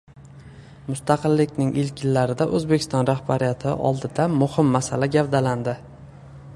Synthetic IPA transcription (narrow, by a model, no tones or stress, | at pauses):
mʊst̪ʰɑqɨlːɪkʲnɪŋʔɪlkʲɪlːaɾɪd̪aʔɵzbekʲɪ̥st̪ɒnɾahbaɾɪjat̪ʰɪ̰ʔɒ̰lˠd̪ɪd̪amʊhɪmːasalaɡʲavd̪aland̪ɪ